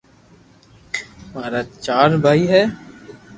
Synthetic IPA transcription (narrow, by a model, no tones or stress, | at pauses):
maːɾat͡ʃaːɾbʱaːiɦɛː